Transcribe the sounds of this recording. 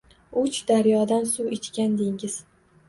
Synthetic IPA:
ʊt͡ʃd̪aɾjɒd̪ansuwet͡ʃ̪kʲand̪eŋɪz̥

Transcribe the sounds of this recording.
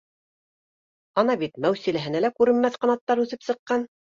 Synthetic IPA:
ɑnɑbit̪mæwsilæɦɘ̆nælækʉɾɘ̆nmæθqɑ̆nɑt̪ːɑɾʉθɘpsɤ̆qːɑn

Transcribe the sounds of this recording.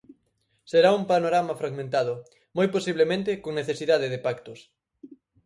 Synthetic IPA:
seɾaumpanoɾamafɾaɣmẽnt̪aðʊ | mojposiβlemẽnt̪̬ɪkoŋneθesiðað̞eðepakt̪ʊs

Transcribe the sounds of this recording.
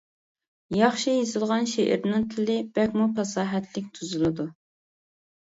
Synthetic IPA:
jɑχʃijezɨlˠʁɑnʃeʔɪ̰ɾnɪŋt̪ʰɪlɪb̥ɛkʲmupʰɑsɑːɦɛt̪ʰlɪk̚ʲt̪ʰuzɨlˠɨd̪u

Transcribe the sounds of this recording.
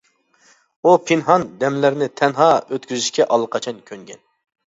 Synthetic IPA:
upʰɪnɦɑnd̪ɛmlæɾnɪt̪ʰɛnɦɑːøt̪̚kʲyzyʃkʲɛʔɑlˠːəqʰɑt͡ʃʰɑnkʲʰøŋɡʲɛn

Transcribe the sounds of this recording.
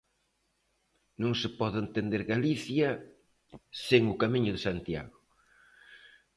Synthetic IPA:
nõŋsɪpɔðent̪end̪eɾɣaliθjɐ | seŋʊkamiɲʊðɪsant̪ja̰ɣʊ

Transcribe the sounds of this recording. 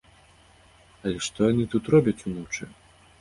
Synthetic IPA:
ɐlʲɛʂt̪ɔjanɨt̪ut̪rɔbʲɐt͡sʲunɔwt͡ʂɨ

